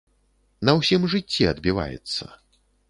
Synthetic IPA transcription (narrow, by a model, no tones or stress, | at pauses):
nɐwsʲimʐɨt͡sʲːiɐd̪bʲiva̰jɛ̰t̪sːɐ̰